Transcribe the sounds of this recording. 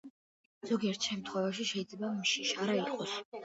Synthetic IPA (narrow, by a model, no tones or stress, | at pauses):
z̥ɔɡiɛɾt̪ʰʃɛmt̪ʰχwɛvaʃ̬iʃɛid̪zlɛbamʃiʃaɾaiqʼɔs